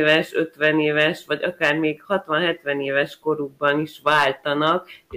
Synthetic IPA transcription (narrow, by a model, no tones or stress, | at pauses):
vɛʃø̞t̪ʋɛneːvɛʃʋɒɟɒkaːrmeːkhɒt̪ʋɒnɦɛt̪ʋɛneːvɛʃko̞ɾuɡ̚bɒniʃʋaːlt̪ɒnɒk